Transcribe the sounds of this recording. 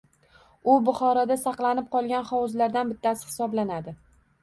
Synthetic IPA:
ʊbʊχɒɾɒd̪asɑqlˠanɪp̚qʰɒlˠɡʲanχɒwʊzlaɾd̪anbɪt̪ːasɪ̥hɪ̥sɒblanad̪ɪ

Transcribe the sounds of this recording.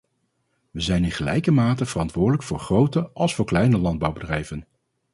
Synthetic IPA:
ʋəzɛjnɪnχəlɛ̰jkəmaːtəv̥ərɑntʋʊːɹdələkfʊːɹχrowtəʔɑlˠsfʊːɹklɛjnəlɑnd̚bɑwbədrɛjvən

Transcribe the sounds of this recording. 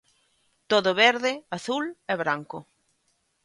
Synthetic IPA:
t̪oðʊβeɾðɪaθulɛβɾaŋkʊ

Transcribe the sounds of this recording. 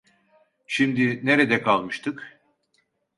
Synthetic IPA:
ʃimd̪ineɾed̪ɛkʰalˠmɯʃt̪ʰɯk

